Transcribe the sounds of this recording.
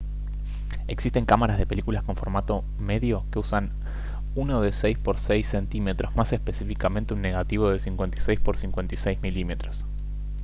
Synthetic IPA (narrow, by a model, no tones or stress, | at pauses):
e̞ksist̪e̞ŋkamaɾazðe̞pe̞likulasko̞ɱfo̞ɾmat̪o̞ | me̞ðjo̞ke̞usan | unoðe̞sejspo̞ɾsejsːent̪ime̞t̪ɾo̞zmasespe̞sifikamẽ̞nt̪eunːe̞ɣat̪iβ̞o̞ðesiŋkwe̞nt̪i̥sejspo̞ɾsiŋkwe̞nt̪isejzmilime̞t̪ɾos